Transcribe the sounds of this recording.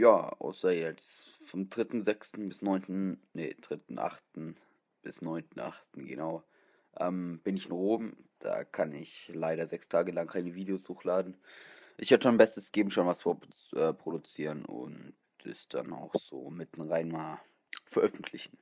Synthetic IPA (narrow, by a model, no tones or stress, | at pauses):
jaːa̰ʊsɐjɛt͡sfɔmdʁɪtn̩zɛkstn̩bɪsnɔʏntn̩nəd̥ʁ̥ɪtn̩ʔa̰χtn̩ | b̥ɪsnɔʏntn̩ʔa̰χtn̩ɡənaʊ | ʔɛːmb̥ɪnɪçɪnʁoːmd̥a̰ːkʰanɪçlaɪɾɐzɛkstʰaːɡəlaŋkʰaɪnəviːdeoshuːxlaːdn̩ʔɪçhatəanbɛstəsɡ̥eːbm̩ʃoːnvasfoːɐʔɛːpʁ̥odut͡siːʁənʊ̰nt | ɛ̰sd̥a̰na̰ʊxz̥o̰ːmɪtn̩ʁaɪnmaːl | fɛɐʔœfn̩tʰlɪçn̩